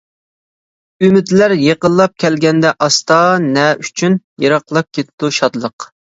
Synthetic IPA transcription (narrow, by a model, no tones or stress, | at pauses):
ymɪd̪læɾjeqəlˠːɑp̚kʲʰɛlɡʲɛnd̪ɛʔɑst̪ɑnɛʔyt͡ʃʰynjɑɾɑqlˠɑp̚kʲet̪t̪uʃɑd̪lˠəq